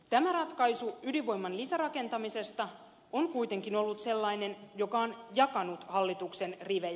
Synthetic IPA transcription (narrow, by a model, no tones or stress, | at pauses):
t̪æmærɑt̪kɑjsuyliʋo̞jmːɑnlisærɑke̞nt̪ɑmise̞st̪ɑ | onkujt̪e̞ŋkinolːut̪se̞lːɑine̞njo̞kɑonjɑkɑnut̪hɑlːit̪ukse̞nriʋe